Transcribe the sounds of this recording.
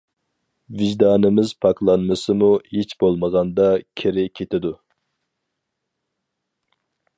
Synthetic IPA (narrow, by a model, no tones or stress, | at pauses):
vɪʒd̪ɑːnɪmɪzpʰɑklˠɑnmɨsɨmuhit͡ʃbolˠməʁɑnd̪ɑkʲʰeɾɪkʲʰet̪ʰɪd̪u